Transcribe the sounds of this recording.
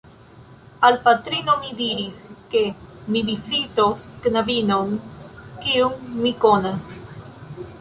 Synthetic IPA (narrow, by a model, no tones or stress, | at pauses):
alpat̪ɾinomidiɾiske̞mibizitosknabinonkiuŋmiko̞nas